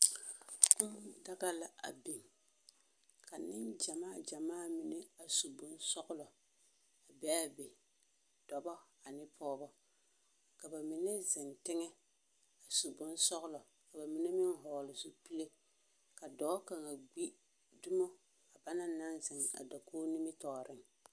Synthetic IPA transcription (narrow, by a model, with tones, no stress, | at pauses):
da˦ɡa˦la˨a̰˨bi˨m | ka˨nɪ˦nd͡ʒa˨maː˦˨d͡ʒa˨maː˦˨mi˨ne˦a˨su˨bʊ˦nsɔ˦ɣʊ˦lɔ˨ | a˨bɛ˦a˦be˨ | d̥ɔ˨bɔ˦ | a˨nɪ˦pʰɔː˦bɔ˦ | ka˨ba˨mi˨ne˦zɪ˨ntɪ˦ŋɛ˦ | a˨su˨bʊ˦nsɔ˦ɣʊ˦lɔ˨ | ka˨ba˨mi˦ne˦mɪ˦ŋɦɔː˨lɪ˨zu˦pi˦le˦ | ka˨dɔː˨˦ka˨ŋa˨ɡ͡bi˦ | dʊ˦mɔ˦ | a˨ba˦na˦na˦nzɪ˨ŋ˨a̰˨da˨kʰoː˦ni˦mɪ˦tɔː˨ɾɪ˦ŋ